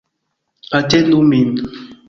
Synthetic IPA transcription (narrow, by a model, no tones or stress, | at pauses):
atenumin